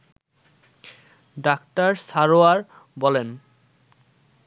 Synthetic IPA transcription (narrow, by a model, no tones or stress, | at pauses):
ɖakʈaɾsaɾoaɾ | bɔlen